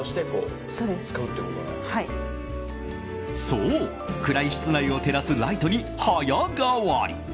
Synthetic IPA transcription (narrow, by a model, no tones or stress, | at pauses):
oɕi̥t̪e̞ko̰ː | soːd̪esɨ̥kaɯ̟t̪ːekot̪oɡa̰hai | so̞ | kɯ̟ɾaiɕi̥t͡sɨnaio̞t̪e̞ɾasɨɾait̪o̞ɲ̟i | hajaɡaβaɾʲḭ